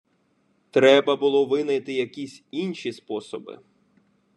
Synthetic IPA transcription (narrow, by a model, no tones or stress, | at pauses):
t̪ɾɛbɐbʊlˠɔʋɪnɐjt̪ɪjɐkʲisʲinʲʃʲispɔsɔbɪ̰